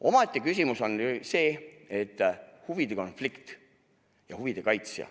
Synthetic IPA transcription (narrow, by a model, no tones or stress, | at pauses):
o̞mɑt̪ʲːˑikys̬ʲimuso̞nse̞ːe̞t̪ːˑhuvid̪̥e̞ko̞nflikt̪ | jɑ̰huvid̪̥e̞kɑjt̪sjɑ̰